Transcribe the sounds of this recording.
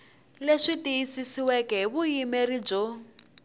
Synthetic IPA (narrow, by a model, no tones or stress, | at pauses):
leʂitijisisiwɛkɛβujimɛrib͡ʐɔ